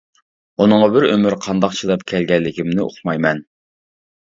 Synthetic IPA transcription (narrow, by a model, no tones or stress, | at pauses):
unɨŋʁɑbɪɾømyɾqʰɑnd̪ɑqt͡ʃʰid̪ɛpkʲʰɛlɡʲɛlːɪkʲimnɪʔo̰χmɑjmɛn